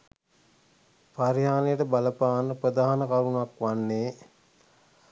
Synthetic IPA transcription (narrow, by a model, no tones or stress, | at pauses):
paɾiɦaːnejəʈəbaləpaːnːəpɾəd̪aːɦanəkaɾunuakʋanːeː